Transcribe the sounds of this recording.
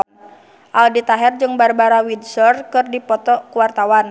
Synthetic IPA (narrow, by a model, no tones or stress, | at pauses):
ʔaldit̪aɦɛrd͡ʒɨŋbarbaɾawidsɔrkɨrdipɔt̪ɔkuwart̪awan